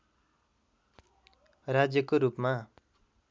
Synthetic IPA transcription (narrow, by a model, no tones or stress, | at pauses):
rad͡zjʌkoɾupma